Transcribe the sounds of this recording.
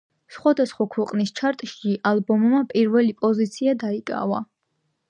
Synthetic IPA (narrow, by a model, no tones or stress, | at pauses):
sχwad̪asχwakʰwɛqʼnist͡ʃʰaɾt̪ʼʃiʔalˠbɔmːapʼiɾvɛlipʼɔzit̪sʰiad̪aikʼa̰va̰